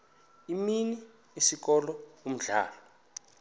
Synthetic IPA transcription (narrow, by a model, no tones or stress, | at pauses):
imini | isik̬ɔlɔum̩ɮa̰ːlɔ